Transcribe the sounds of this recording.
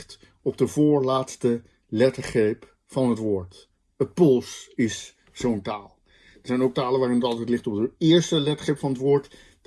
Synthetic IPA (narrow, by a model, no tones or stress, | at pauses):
t | ɔp̚dəvʊːɹlaːtstə | lɛtəɹχejp | fɑnətʋʊːɹt | əpʊlˠsɪs | z̥owntaːlˠ | əɹzɛjnowk̚taːləʋaːrɪnətɑlˠtɛjtlɪχtɔp̚dəɪːɹstəlɛtəχejpfɑnətʋʊːɹt